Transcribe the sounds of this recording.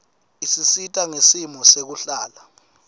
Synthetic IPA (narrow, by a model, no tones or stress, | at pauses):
isisitʼaŋesimɔsek̬uɬaːla